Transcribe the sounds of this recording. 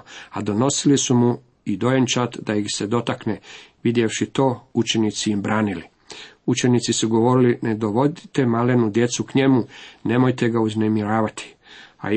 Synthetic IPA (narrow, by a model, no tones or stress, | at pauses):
ad̪o̞no̞silisumu | id̪o̞jent͡ʃat̪d̪aixse̞d̪o̞t̪akneʋid̪je̞fʃit̪o̞ːut͡ʃe̞nit̪siimbɾaːnili | ut͡ʃe̞nit̪sisuɡo̞ʋo̞ɾilined̪o̞ʋo̞d̪it̪e̞male̞nud̪je̞t̪sukɲe̞mune̞mo̞jt̪e̞ɡauzne̞miɾaːʋat̪ʰi̥ | a̰